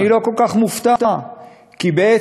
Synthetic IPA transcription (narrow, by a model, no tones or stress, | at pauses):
iɾokokaχmuft̪at̪a | kibɛ